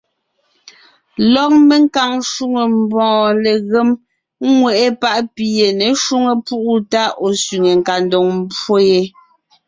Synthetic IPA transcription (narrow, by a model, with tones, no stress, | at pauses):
lɔ˦˨k̚me˦˨ŋ˦ka˨ŋʃu˦ŋe˨m̩˦bɔ̃ː˨le˨ɣe˦m˦ | ŋwɛ˨ʔe˦pa˦ʔpi˨je˨ne˨ʃu˦ŋe˨pu˦ʔu˦ta˦o˨sɥi˨ŋe˨ŋ̩˨ka˨ndo˨ŋm̩˦bwo˦je˦